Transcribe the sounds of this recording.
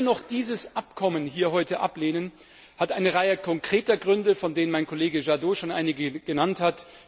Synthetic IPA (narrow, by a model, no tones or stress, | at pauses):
nɔχd̥iːzəsʔapkʰɔmənhiːɐɦɔʏtəʔa̰pleːnən | hatʔaɪnəʁaɪəkʰɔŋkʁ̥eːtɐɡʁʏndəfɔndeːnənmaɪnkʰoleːɡəʒadoːʃoːnʔa̰ɪnɪɡəɡ̥ənanthat